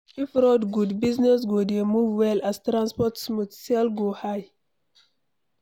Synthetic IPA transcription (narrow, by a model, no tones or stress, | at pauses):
ifɹɔdɡudbiznɛsɡodemuvwɛlastɾãnspɔtsmuθsɛlɡohaj